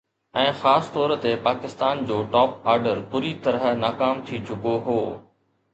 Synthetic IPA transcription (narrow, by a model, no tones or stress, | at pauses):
ɛ̃ːxaːst̪ɔːɾə̆t̪epaːkɪst̪aːnd͡ʑoːʈɔːp̚aːɾɖəɾpʊɾit̪ɐɾənaːkaːmt̪ʰit͡ɕʊkoɦoː